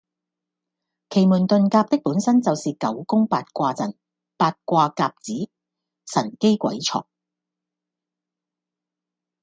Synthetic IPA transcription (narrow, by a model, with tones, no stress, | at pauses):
kʰe˨˩jmuː˨˩nt̪ɵ˨nkaː˧p̚t̪ɪ˥k̚puː˨˥nsɐ˥nt͡sɐ˨wsiː˨kɐ˨˥wkʊ˥ŋpaː˧t̚kʷaː˧t͡sɐ˨˩n | paː˧t̚kʷaː˧kaː˧p̚t͡siː˨˥ | sɐ˨˩nke˥jkʷɐ̰˨˥jt͡sʰɔ̰ː˨˩k̚